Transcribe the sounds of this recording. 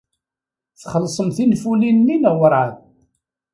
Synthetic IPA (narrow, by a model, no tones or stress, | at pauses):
θχəlːsˤəmθinfulinːinəwəɾˤʕað